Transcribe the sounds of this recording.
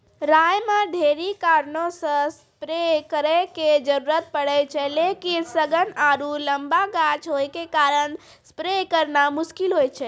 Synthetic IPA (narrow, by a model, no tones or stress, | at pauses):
ɾajmãɖʱeɾikaɾnõsə̃s | pɾekəɾɛked͡ʒəɾuɾət̪̚pəɽət͡ʃʰɛlekisəɡənaɾuləmbaɡat͡ʃɦojkekaɾən | spɾekəɾnamʊʃkilɦojt͡ʃʰɛ